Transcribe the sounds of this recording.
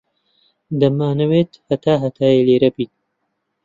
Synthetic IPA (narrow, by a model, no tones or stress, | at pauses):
d̪ɐmaːnɐweːt̪hɐt̪aːɦɐt̪ʰaːjeːleːɾɐbiːt̪̚